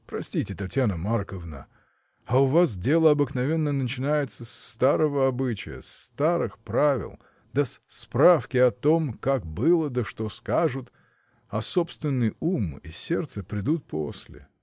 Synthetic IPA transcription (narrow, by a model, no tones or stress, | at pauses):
pɾɐsʲtʲitʲɪt̪ɐtʲjanəmarkəvnə̰ | aʊvas̬dʲe̞lˠəɐbɨknɐvʲenːənət͡ɕɪnajɪt̪səst̪aɾəvəɐbɨt͡ɕɪ̰jə̰st̪aɾɨxpɾavʲɪ̰lˠ | d̪əsspɾafkʲɪɐt̪o̞mkak̚bɨlˠəd̪əʂt̪oskaʐɨt̪ | ɐsopst̪vʲɪnːɨjumḭsʲe̞rt̪səpɾʲɪd̪ut̪̚po̰sʲlʲɪ̰